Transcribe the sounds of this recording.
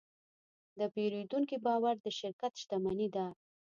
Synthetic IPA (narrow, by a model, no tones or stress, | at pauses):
d̪əpeɾed̪uŋkibɑwaɾd̪əʃɪɾkat̪ʃt̪amanid̪aɾ